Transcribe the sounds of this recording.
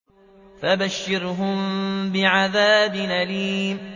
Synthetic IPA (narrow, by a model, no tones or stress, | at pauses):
fabaʃːɪɾɦʊmbɪʕaðaːbɪnaliːm